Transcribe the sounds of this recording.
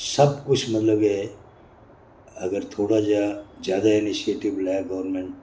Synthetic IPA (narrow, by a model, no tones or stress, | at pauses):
sɐb̚kʊt͡ʃʰmɐt̪ləbɦɛ | ɐɡəɾt̪ʰoːɽad͡ʒad͡ʒjaːd̪aɪnisieːʈiblaaɡɐʋəɾmẽɳʈ